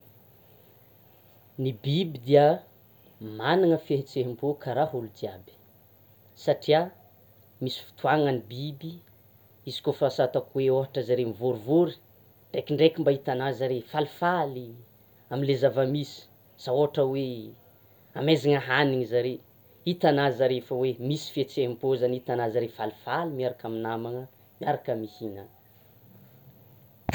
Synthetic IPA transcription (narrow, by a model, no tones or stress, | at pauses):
nibibid̪iə | maniŋəfeɦit͡seɦimbukʰaɾaɦulud̪iabi̥ | saʈ͡ʂia | misi̥fi̥t̪uaŋənibibi | izi̥kofasat̪akuweoɦaʈ͡ʂəzaɾemivuɾuvuɾi̥ | ɳɖ͡ʐekiɳɖ͡ʐekʲimbaɦit̪anazaɾefalifali | aminlezavəmisi̥ | saoɦaʈ͡ʂəwe | amezaŋəɦaniŋizaɾe | it̪anazaɾefəwemisi̥fet͡seimpozanit̪anazəɾefalifalimiaɾakaminamaŋə | miaɾakəmihinan